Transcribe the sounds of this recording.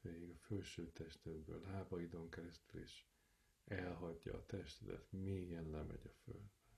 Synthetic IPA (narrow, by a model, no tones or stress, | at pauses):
pɛːiɡɒfølʃøːt̪ɛʃt̪ɛd̪bøːlɦaːbɒid̪o̞ŋkɛɾɛst̪ylḛːʃ | ɛlɦɒɟːɒ̰ːt̪ɛʃt̪ɛd̪ɛ̰t̪miːjɛnlɛmɛ̰ɟɒfø̰ld̪bɛ